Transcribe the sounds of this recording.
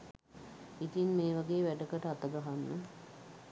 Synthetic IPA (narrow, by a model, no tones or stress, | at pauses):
it̪inmeːʋaɡeːʋæɖəkəʈəat̪əɡəɦanːə